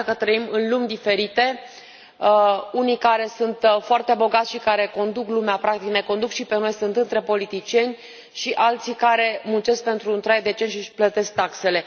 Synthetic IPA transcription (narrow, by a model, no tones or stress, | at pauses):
kət̪ɾəimɨnlumʲd̪ife̞ɾit̪e̞ | unijkaɾe̞sunt̪foart̪e̞bo̞ɡat̪sʲʃikaɾe̞ko̞nd̪uklumeapɾak̚t̪ikne̞ko̞nd̪ukʃipenojsunt̪ɨnt̪ɾe̞po̞lit̪it͡ʃie̞nʲ | ʃiʔalt̪sikaɾe̞munt͡ʃe̞sk̚pe̞nt̪ɾunt̪ɾajd̪e̞t͡ʃe̞nʃiplət̪e̞sk̚t̪akse̞le̞